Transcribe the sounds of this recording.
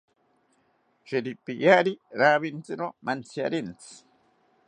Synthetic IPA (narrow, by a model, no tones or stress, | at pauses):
ʃeɾipijaɾiɾaβint͡sɨɾomʔant͡sja̰ɾint͡sɨ̥